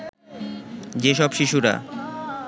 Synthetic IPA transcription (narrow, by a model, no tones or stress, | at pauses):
d͡ʑeʃɔbʃiʃuɾa̰